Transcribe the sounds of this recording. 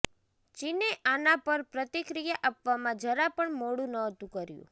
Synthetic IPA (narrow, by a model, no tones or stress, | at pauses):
t͡ʃineʔʔanãpəɾpɾət̪ikɾijaʔapʋamãd͡ʒəɾapəɳmoɽũnəɦt̪ũkəɾjṵ̃